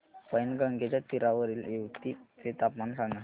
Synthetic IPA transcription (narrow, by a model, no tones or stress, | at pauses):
pəjnɡəŋɡet͡ɕjat̪iɾaʋəɾiːleʋt̪iːtet̪apmansãŋɡa